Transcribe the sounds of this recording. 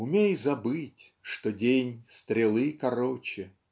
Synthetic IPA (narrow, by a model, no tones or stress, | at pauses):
ʊmʲejzɐbɨtʲʂt̪odʲenʲst̪ɾʲɪlˠɨkɐɾot͡ɕɪ